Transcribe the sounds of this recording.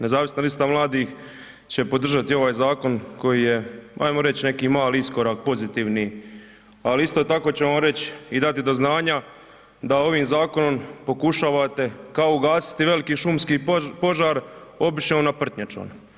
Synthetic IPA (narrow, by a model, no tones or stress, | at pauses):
ne̞zaːʋisnalist̪amlˠaːd̪iːx | t͡ɕe̞po̞d̪r̩ʒat̪io̞ʋaːjzaːko̞nko̞jiːje̞a̰jmoɾe̞t͡ɕne̞kiːmaːliisko̞ɾak̚po̞zit̪iːʋni | aliist̪o̞ːt̪ako̞ːt͡ɕe̞ʋamɾe̞t͡ɕid̪at̪id̪o̞znaːɲa | d̪ao̞ʋiːmzaːko̞no̞mpo̞kuʃaːʋat̪e̞kaouɡaːsi̥t̪iʋe̞likiʃumskiːpo̞ʒaːɾo̞biʃemonapr̩t̪ɲat͡ʃo̰ːn